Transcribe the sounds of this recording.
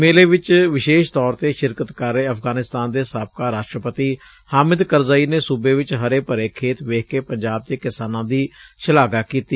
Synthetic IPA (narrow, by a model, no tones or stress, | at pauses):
meːleːʋɪt͡ʃʋɪʃeːʃt̪ɔːɾt̪eːʃɪɾkət̪kəɾːeːəfɡaːnɪst̪aːnd̪eːsaːp̚kaːɾaːʃʈɾəpət̪iː | haːmɪd̪kəɾzəiːneːsubeːʋɪt͡ʃɦəɾeːpəɾeːkʰeːt̪ʋeːkkeːpəɲd͡ʒaːb̚d̪eːkɪsaːnãːd̪iːʃəlaːɡaːkiːt̪iː